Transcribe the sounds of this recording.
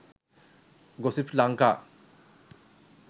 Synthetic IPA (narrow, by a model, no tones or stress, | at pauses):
ɡosipʰlaŋka